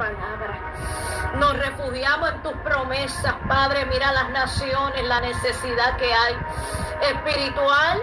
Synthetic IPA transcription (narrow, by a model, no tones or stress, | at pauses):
alaβɾa | no̞sre̞fuhjamosent̪uspɾo̞me̞saspaðɾe̞miɾalasnasjo̞ne̞slane̞se̞siðake̞aj | e̞spiɾit̪wal